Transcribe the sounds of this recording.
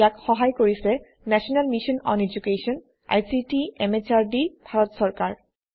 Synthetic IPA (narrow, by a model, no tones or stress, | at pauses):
akxɔɦajkoɾisʰe | nɛʃonalmiʃonɔ̰ned͡ʑukeʃon | a̰jsiʈiemet͡ɕaɾɖibʱaɾot̪ʃɔɾkaɾ